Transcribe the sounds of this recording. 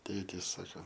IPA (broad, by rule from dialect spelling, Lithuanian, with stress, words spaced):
ˈtʲeːtʲiːs ˈsɑːkoː